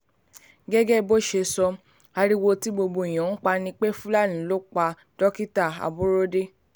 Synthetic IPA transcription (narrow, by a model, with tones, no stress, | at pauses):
ɡɛ˦ɡɛ˦bo˦ʃe˧sɔ˧ | a˧ɾi˦wo˧ti˦bo˧bo˧˨i˨j̃ã˨˦n̩˦k͡pa˧nĩ˧k͡pe˦fũ˦la˦˨nĩ˨˦lo˦k͡pa˧ | d̥ɔ˦ki˦ta˦˨a̰˨bo˦ɾo˦de˦